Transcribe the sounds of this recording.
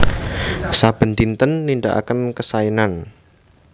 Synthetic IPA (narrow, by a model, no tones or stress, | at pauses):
sab̥ə̤nt̪int̪ənːiɳɖaʔa̰kənkəsainan